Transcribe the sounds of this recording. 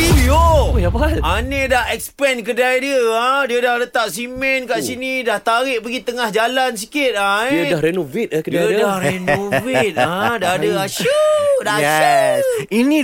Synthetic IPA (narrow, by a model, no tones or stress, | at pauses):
iiojapatanedahɛkspɛnk̬ədajdiəadiədahlət̪aʔ̚simɛnkaʔsinĩdaht̪aɾɪʔpəɡit̪əŋahd͡ʒalans̬i̥kɪt̪̚aiədahɾenuvit̪̚ahkədadahɾenõviat̪̚adaɦadəaʃədaaʃ | inĩ